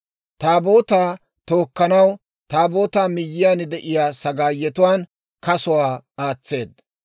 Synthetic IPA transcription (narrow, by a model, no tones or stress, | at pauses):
t̪aːbo̞ːt̪aː | t̪o̞ːkːɐnɐw | t̪aːbo̞ːt̪aːmɪjːɪjaːnɪd̪ɛʔɪjaːsɐɡaːjːɛt̪ʊwaːn | kɐsʊwaːaːt͡sːe̞ːd̪ɐ